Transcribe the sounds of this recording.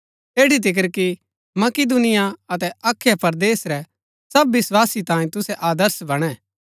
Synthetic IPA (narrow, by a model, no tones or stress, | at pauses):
eːɽit̪̬ɪk̬əɾki | mɐkɪd̪ʊnɪjaɐt̪ɛaːkʰːjapɐɾd̪eːsɾɛ | sɐbːɪswaːsit̪ãːĩt̪ʊsɛʔaːd̪əɾsbɐɽ̃ɛ̃ː